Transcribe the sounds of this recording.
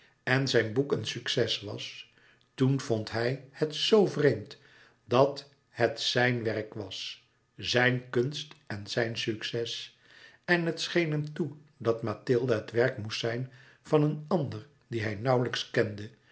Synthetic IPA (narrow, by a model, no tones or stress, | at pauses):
ɛnzɛjnbukənsyksɛsʋɑ̰s | tunv̥ontɦɛjhətsowvrejmt | dɑt | hətsɛjnʋɛrkʋɑs | zɛjnkɵnstɛnzɛjnsyksɛs | ɛnɦətsχejnɦɛmtudɑtmatɪlˠdaɦətʋɛrkmustsɛjn | v̥ɑnənɑndəɹ | diɦɛjnʌwləkskɛndə